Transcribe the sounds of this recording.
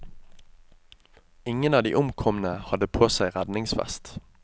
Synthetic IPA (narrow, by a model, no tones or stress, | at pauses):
ɪŋənɑːʋd̪ḭːʔʊmkʰɔmn̩əhɑd̪əpʰoːsæɪʁæd̪nɪŋsfɛ̰st̪